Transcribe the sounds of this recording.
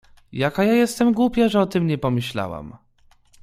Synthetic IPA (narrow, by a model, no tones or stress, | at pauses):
jakajajɛst̪ɛmɡwupʲjaʐɛɔt̪ɘmɲɛpɔmɘɕla̰wa̰m